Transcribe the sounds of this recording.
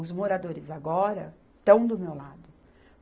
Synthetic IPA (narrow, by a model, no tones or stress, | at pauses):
ʊzmoɾad̪oɾɪzaɡɔɾɐ | t̪ɐ̃w̃d̪ʊmewlad̪ʊ